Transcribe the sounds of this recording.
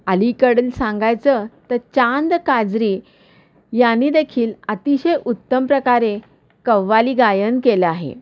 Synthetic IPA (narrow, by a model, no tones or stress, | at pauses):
əlikəɽəlsãŋɡajt͡sət̪əɾt͡ɕand̪kad͡zɾiː | janiːd̪ekʰiːlət̪iɕəjʔut̪ːəmpɾəkaɾe | kəʋːaliːɡajənkeleaɦḛ